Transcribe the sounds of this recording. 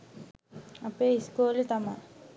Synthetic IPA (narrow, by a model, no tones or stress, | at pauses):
ɐpːeiskoːlit̪ɐma